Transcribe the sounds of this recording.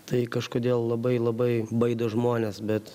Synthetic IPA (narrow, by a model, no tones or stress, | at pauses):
t̪ɐɪkɐʃkoːd̪ʲeːlˠlˠɐbɐɪlˠɐbɐɪbɐɪd̪oːʒmoːnʲesbʲɛt̪